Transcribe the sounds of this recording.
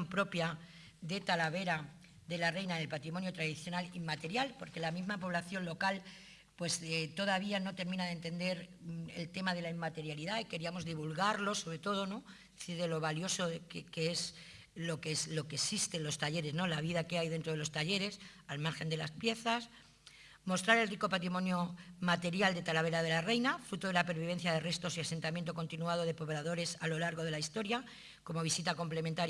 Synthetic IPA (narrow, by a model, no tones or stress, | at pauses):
mpɾo̞pja | ðe̞t̪alaβe̞ɾa | ðe̞lare̞jnaenelpat̪ɾimo̞njo̞t̪ɾaðiθjo̞nalimːat̪e̞ɾjalpo̞ɾke̞lamizmapo̞β̞laθjo̞nlo̞kal | pwe̞st̪o̞ð̞aβ̞iano̞t̪e̞ɾmĩnaðent̪e̞nd̪e̞ɾe̞̰lt̪e̞maðe̞laimat̪e̞ɾjaliðaike̞ɾiamo̞zðiβulɣaɾlo̞so̞βɾe̞t̪o̞ð̞o̞no̞ | eθiɾðe̞lo̞βaljo̞so̞kkees | lo̞keslo̞kesist̪elo̞st̪aʎe̞ɾe̞zno̞laβ̞iðake̞ajðent̪ɾo̞ð̞e̞lo̞st̪aʎe̞ɾe̞salmaɾxe̞nd̪e̞laspje̞θas | mo̞st̪ɾaɾe̞lriko̞pat̪ɾimõ̞njo̞mat̪e̞ɾjald̪e̞t̪alaβ̞e̞ɾað̞e̞lare̞jnafɾut̪o̞ðe̞lape̞ɾβ̞iβ̞e̞n̟θjað̞e̞re̞st̪o̞siase̞nt̪amjent̪o̞ko̞nt̪inuað̞o̞ð̞e̞po̞βlaðo̞ɾe̞salo̞laɾɣ̞o̞ð̞e̞laist̪o̞ɾja | ko̞mo̞βisit̪ako̞mple̞mẽnt̪aɾj